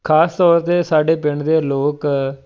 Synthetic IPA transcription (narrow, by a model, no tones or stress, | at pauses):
kʰaːst̪ɔːɾt̪eːsaːɖeːpɪɳd̪eːloːk